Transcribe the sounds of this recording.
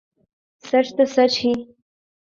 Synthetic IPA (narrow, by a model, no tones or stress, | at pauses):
saʈ͡ʂt̪asat͡ʃʰi